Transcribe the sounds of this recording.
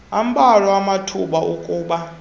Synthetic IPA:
am̩ɓarɔamatʰuɓaʔukʼuːɓa

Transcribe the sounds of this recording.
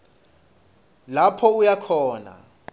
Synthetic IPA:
lapʰɔujakʰɔːna̰

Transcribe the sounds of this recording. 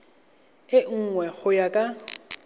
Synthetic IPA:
ɪŋ̩ŋwɛɣʊjakʼa

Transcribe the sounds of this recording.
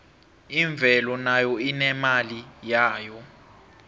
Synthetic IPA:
iɱb̪vʱɛlɔnajɔinɛmalijaːjɔ

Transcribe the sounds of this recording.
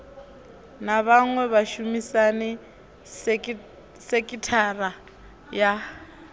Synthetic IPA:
naβaŋwɛβaʃumisanɛ | sekʼitʰara | ja

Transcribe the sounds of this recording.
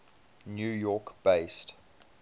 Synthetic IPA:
njuːjɔˑkb̥eɪst

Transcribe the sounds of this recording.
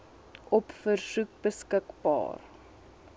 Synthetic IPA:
ʔɔpfərsuk̚bəskəkbɑ̰ːr

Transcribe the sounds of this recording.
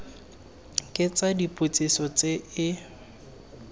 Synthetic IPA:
kʼɪt͡sadipʼʊt͡sʼisɔt͡sʼeɪ

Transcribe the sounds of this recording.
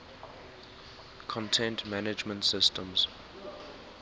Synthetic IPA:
kʰɔ̃ntʰɛ̃ntmænɪd͡ʒmə̃ntsɪstə̃mz̥

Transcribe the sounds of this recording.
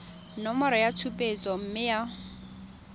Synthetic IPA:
nɔmɔɾɔjatʰupʼet͡sʼɔm̩mɪja

